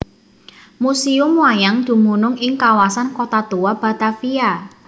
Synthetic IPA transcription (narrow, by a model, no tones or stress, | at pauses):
musiʊmuajaŋd̪̥ṳmunʊŋɪŋkawasankot̪at̪uwab̥a̤t̪afia